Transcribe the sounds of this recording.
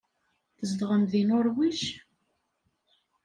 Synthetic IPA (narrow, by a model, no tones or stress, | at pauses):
θəzd̪ʁəmðinʊɾwiʃ